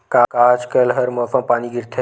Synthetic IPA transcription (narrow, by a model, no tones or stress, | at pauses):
kaːkaːd͡ʒkəlɦɐɾmoːfɐ̃paːniɡɪɾt̪ʰe